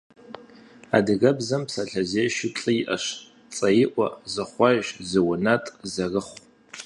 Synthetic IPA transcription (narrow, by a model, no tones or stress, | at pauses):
a̰dɨɡɐbzɐmpsaɬʰɐzeʃɪpt͡ɬʼɨiʔɐʃ | t͡sʼɐjɪʔʷa̰zɨχʷaʒzɨwʊnatʼzarɨχʷ